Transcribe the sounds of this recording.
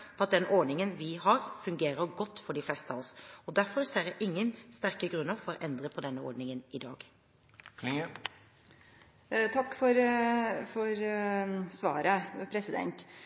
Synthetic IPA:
pʰɔɑt̪̚d̪ɛnʔɔɖɳɪŋənʋɪɦɑːɾfʉŋɡeːɾəɾɡɔt̪ːfɔɖɪflɛst̪ɑʋɔsɔd̪æɾfɔɾseːɾjæʔɪŋːənst̪æɾkəɡɾʉnːəɾfɔɾɔʔɛnd̪ɾəpʰɔd̪ɛnːəɔ̰ɖnɪŋənɪd̪ɑ̰ːɡ | t̪ʰɑkːfɔɾfɔɾ | sʋɑ̰ːɾəpʰɾɛsɪd̪ɛ̰nt̪

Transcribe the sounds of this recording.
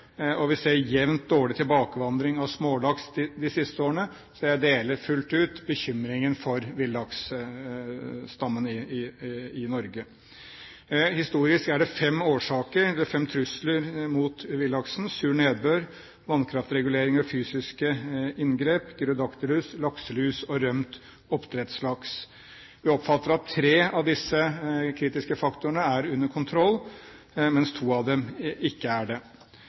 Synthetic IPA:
ɔʋɪseːɾjɛʋnt̪̚d̪oːɭɪt̪ʰɪlbɑːkəʋɑnd̪ɾɪŋɑʋsmoːlɑksd̪ɪsɪst̪əoːɾəɳə | sɛjæd̪eːləɾfʉlt̪ʉːt̪bəçʏmːɾɪŋənfɔɾʋɪlːɑks | st̪ɑmːənɪɪɪnɔɾɡə | hɪst̪uːɾɪskæɖɛfɛmːoːʂɑːkəɾɛlfɛmt̪ʰɾʉsləɾmuːt̪ʋɪlːɑksn̩sʉːɳeːd̪̚bøːɾ | ʋɑnkʰɾɑft̪ɾɛɡʉleːɾɪŋɑfyːsɪskəɪnɡɾeːpɡɾʊd̪ɑkt̪əlʉːslɑksəlʉːsɔɾœmt̪ | ɔpt̪ʰɾɛt̪slɑks | ʋɪɔpfɑt̪ːəɾɑt̪ʰːɾeːɑʋd̪ɪsːəkʰɾiːt̪ɪskəfɑkt̪ʊəɳəæɾʉnːəɾkʰʊnt̪ʰɾɔlː | mɛnst̪ʰuːɑʋd̪ɛmɪkːəæɖɛ

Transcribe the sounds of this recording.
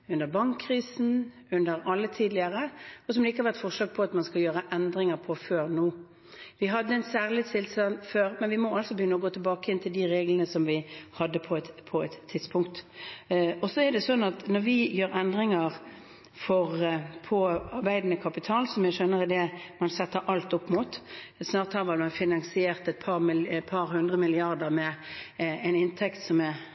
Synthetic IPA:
ʉnd̪əbɑŋkʰːʁiːsn̩ | ʉnd̪əɾɑlːət̪ʰiːd̪lɪəʁəɔsɔmd̪ɛɪkəhɑɾʋæʁt̪fɔʁʂɑːk̚pʰɔɑt̪mɑnskɑljøːɾəʔɛnd̪ɾɪŋəɾpʰɔføːʁnuː | ʋɪɦɑd̪ːəɛnsæːʁlɪt̪sʰɪlsɑnføːɾmɛnʋɪmɔɑlsɔbəjʏnːəɔɡoːt̪ʰəlbɑːkəɪnt̪ʰɪld̪iɾeːɡlənəsɔmʋɪhɑd̪ːəpʰɔpʰɔɛt̪ʰːɪd̪spʰʊŋkt̪ | ɔsɔɛd̪ɛsɔnːɑt̪nɔɾʋɪjøːɾɛnd̪ʁɪŋəʁ | fɔʁpʰɔɑʁbæɪd̪nəkʰɑpɪt̪ʰɑːlsɔmjæɪʃøːnəɾɛd̪ɛmɑnsɛt̪ːəɾʔɑlt̪ʊpːmuːt̪snɑːʁt̪hɑːʋɑlmɑnfɪnɑnsɪeːʁt̪ɛt̪̚pʰɑʁmɪpʰɑɾhʉnd̪ʁəmɪlɪɑʁd̪əʁmɛ | ɛɪnɪnt̪ʰɛkt̪sɔmɛ

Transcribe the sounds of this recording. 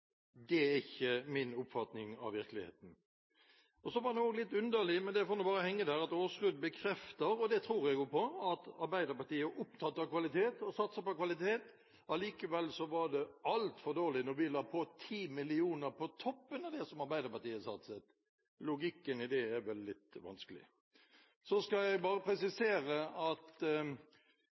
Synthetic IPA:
d̪ɛæɪçːəmɪnʊpfɑt̪nɪŋɑ̰ʋʋɪɾkəlɪhḛːt̪n̩ | ɔsɔʋɑdɛnoːɡlɪt̪ːʉnd̪əlɪmɛnd̪ɛfoːnuːbɑːɾəhɛŋːəd̪æːɾɑt̪oːskʉd̪bəkʰɾɛft̪əɾɔd̪ɛt̪ʰɾuːɾɛɡjʊpʰɔɑt̪ɑɾbæɪd̪əɾpɑʈ̪iːəʔʊpt̪ʰɑt̪ːɑkʰʋɑlɪt̪ʰeːt̪ɔsɑt̪səpɔkʋɑlɪt̪ʰeːt̪ | ɑliːkəʋɛlːsɔʋɑd̪ɛɑlt̪fɔɾd̪oːɾlɪnɔɾʋɪlɑːpʰɔt̪ʰiːmɪlɪuːnəɾpʰɔt̪ʰɔpːənɑd̪ɛsɔmɑɾbæɪd̪əɾpɑʈ̪iːəsɑ̰t̪sət̪ | lʊɡɪkːənɪd̪ɛæʋɛlːɪt̪ʋɑ̰nskəlɪ̰ | sɔskɑɛɡbɑːɾəpʰɾɛsɪseːɾəɑt̪

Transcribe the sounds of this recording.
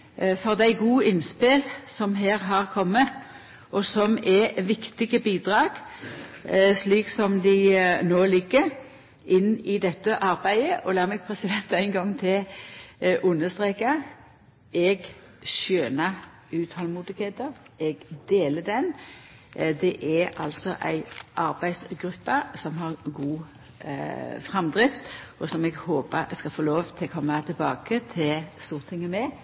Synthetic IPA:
fɔʁd̪æɪɡuːɪnspɪlsɔmɦæːʁɦɑʁkʰɔmːə | ʔɔsɔmɛʋɪkt̪ɪɡəbiːd̪ʁɑːɡ̥ | sliːksɔmd̪ɪnoːlɪɡːəɾ | ʔɪnːɪd̪ɛt̪ːəʔɑɾbæɪəʔɔlɑːʁmɛɡ̚pʰʁɛsɪd̪ɛnt̪æɪnɡɑŋːt̪ʰɪl | ʔʊnːəst̪ʁeːka | ɛɡ | ʃøːnɑ | ʉːt̪hɔlmuːd̪ɪɡheːt̪əɾ | ɛɡd̪eːləd̪ɛn | d̪ɛʔæɾɑ̰lsɔʔæ̰ɪʔɑɾbæɪsɡɾʉpːɑsɔmɦɑʁɡuː | fʁɛmd̪ɾɪft̪ɔsɔmɛɡhoːpəskɑlfoːloːʋt̪ʰɪlkʰɔmːɑt̪ʰɪlbɑːkət̪ʰɪlst̪uːʁt̪ʰɪŋːəmɛ

